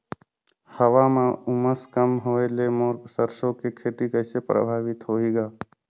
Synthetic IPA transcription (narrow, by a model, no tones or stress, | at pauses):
həʋamãʊməskəmɦoːelemoːɾsəɾʃõkekʰeːt̪ikəːsepɾə̰bʱaːʋɪt̪ɦoːiːɡaː